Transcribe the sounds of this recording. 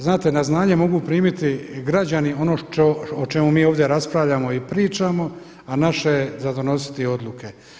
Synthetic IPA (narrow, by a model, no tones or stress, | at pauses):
znaːt̪e̞naznaːɲe̞mo̞ɡupɾiːmit̪iɡɾad͡ʑanio̞nooot͡ʃe̞mumiːo̞ːʋd̪je̞ɾaspɾaʋʎamo̞ipɾiːt͡ʃamo̞ | anaʃe̞ezad̪o̞no̞si̥t̪io̞d̪lˠuke̞